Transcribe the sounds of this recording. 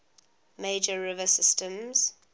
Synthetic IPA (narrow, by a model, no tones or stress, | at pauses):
meɪd͡ʒəɹɪvəsɪstə̃mz̥